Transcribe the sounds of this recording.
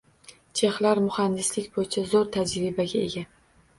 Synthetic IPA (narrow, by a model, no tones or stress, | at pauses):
t͡ʃʰe̞χlaɾmʊhand̪ɪslɪkʲbojɪt͡ʃʰazoɾt̪ʰad͡ʒɾɪbaɡʲae̞̰ɡʲa